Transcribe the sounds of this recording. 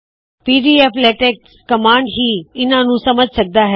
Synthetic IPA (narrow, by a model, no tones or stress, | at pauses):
piːɖiːeːpleːʈeːkskɐmãːɳɖɦiːɪnãnũsɐməd͡ʒʱsɐk̚d̪aɦɛː